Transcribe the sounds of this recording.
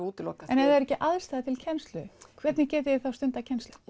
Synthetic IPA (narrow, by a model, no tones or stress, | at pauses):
uːt̪ɪlɔ̰aɛnɛðɛɾɛcːɪʔaðst̪aːðt̪ʰɪlcʰɛnst̪lʏkʰvɛt̪nɪcɛːt̪ɪɪθawst̪ʏnt̪acʰɛnst̪lʏ